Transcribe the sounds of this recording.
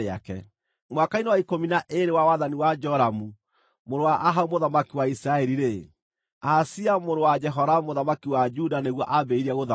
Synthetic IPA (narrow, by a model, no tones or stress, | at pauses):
ea̰kɛ̰ | mwakainewaikominaʔeɾewawaðaniwad͡ʒɔɾamu | moɾowaʔaɦaumoðamakiwaisɾaɛɾiɾe | asiamoɾowad͡ʒɛɦɔɾamoðamakiwad͡ʒudaneɣwɔʔabeiɾiaɣoða